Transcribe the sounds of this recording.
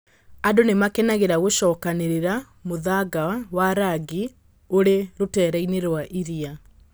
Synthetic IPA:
andonemakɛnaɣeɾaɣoʃɔːkaneɾeɾa | moðaɡawaɾaɡi | oɾeɾotɛːɾaineɾwaʔiɾia

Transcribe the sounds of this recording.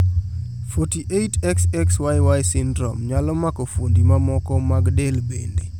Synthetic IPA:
fɔtiʔejtɛksɛkswajwajsɪndɾɔ̰mɲalɔmakofondimamɔkɔmaɡdelbende

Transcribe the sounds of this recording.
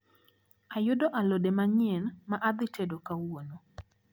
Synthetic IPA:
ajʊdoʔalodemaɲɪenmaʔad̪ɪtedokawono

